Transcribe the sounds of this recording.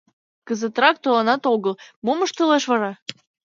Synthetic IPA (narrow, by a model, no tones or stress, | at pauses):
kəzət̪ɾɑk̚t̪olɑnɑt̪oɣəlmoməʃt̪ə̆leʃβɑɾɑ